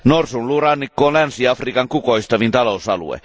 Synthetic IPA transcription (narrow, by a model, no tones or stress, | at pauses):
norsunlurɑnːikːoːnlænsiɑfrikɑŋkukoist̪ɑʋint̪ɑlousɑ̰lṵḛ